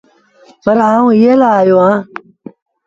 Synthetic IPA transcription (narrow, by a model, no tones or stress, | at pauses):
pɐɾhaːũːjelaːjoã